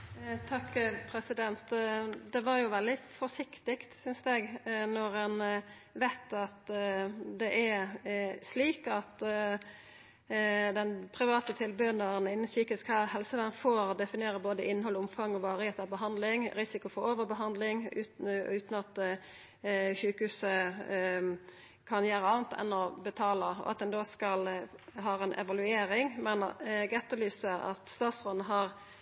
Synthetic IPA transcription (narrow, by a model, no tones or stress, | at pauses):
t̪ʰɑkːpʰɾɛsɪd̪ɛnt̪d̪ɛʋɑɾjʊʋɛld̪ɪfɔʂɪkt̪ɪkt̪sʏnsd̪ɛɡnɔɾɛn | ʋæɪt̪ɑt̪ | d̪ɛʔæɾsliːkɑt̪ | d̪ɛnpʰɾɪʋɑːt̪ət̪ʰɪlbʉənd̪ɑʁənɪnːənsyːkɪskhæhɛlsəʋæːnfoːɾd̪ɛfɪnɪeːɾəboːd̪əʔɪnːhɔlːʊmfɑŋːɔʋɑːɾɪheːt̪əɑbəɦɑnd̪lɪŋɾɪsɪkʊfɔɾoːʋəbəɦɑnd̪lɪŋʉʉːt̪n̩ɑt̪ | çʉːkəhʉːsə | kʰɑnjæːɾəɑːnt̪ʰɛ̰nːɔbət̪ʰɑːləɔ̰ɑt̪̚d̪ɛnd̪oːskɑlɦɑːɾɛnʔɛ̰ʋɑlʉeːɾɪŋmɛnɡɛt̪ːəlyːsəɑ̰t̪st̪ɑːt̪sʁoːd̪nəɦɑʁ